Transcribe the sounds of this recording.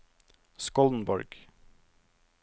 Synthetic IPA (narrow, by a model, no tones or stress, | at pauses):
skɔln̩bɔ̰ɾɡ̥